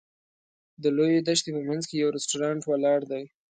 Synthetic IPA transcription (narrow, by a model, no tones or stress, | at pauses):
d̪əlojed̪aʃt̪epəmanzkejawɾɪsʈoɾɑɳʈwalɑɽd̪aj